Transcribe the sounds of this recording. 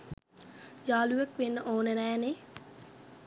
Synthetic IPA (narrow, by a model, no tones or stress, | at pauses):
d͡ʒaːluʋəkʋenːəʔoːnənɛːne